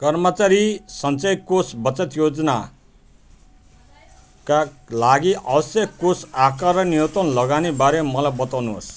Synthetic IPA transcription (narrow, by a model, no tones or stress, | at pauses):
kʌrmʌt͡saɾisʌnt͡sʌjkosbʌt͡sʌt̪jod͡zʌna | kalaɡiʔʌbʌsjʌkosakaɾʌnijʌt̪ʌnlʌɡanebaɾemʌlajbʌt̪awnuɦo̰s